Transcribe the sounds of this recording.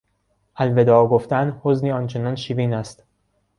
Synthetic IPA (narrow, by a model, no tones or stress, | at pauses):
ʔælve̞d̪ɒːɡoft̪ænhozniːɒːnt͡ʃʰe̞nɒːnʃiːviːnæst̪